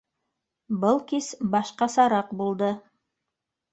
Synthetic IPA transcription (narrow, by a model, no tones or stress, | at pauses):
bɤlˠkisbɑʃqɑsɑɾɑqbulˠd̪ɤ